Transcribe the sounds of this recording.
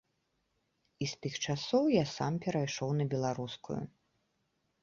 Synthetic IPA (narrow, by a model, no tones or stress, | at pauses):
ist̪ɨxt͡ʂasɔwjasampʲɛɾajʂɔwnɐbʲɛlˠaɾuskṵjṵ